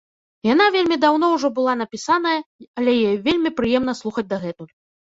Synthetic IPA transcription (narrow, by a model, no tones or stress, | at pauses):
janavʲelʲmʲid̪awnɔwʐɔbɨlˠan̪ɐpʲisanɐjɐɐlʲɛjɛvʲelʲmʲipɾɨjɛmn̪ɐslˠuxɐd͡zʲd̪ɐɣɛt̪uj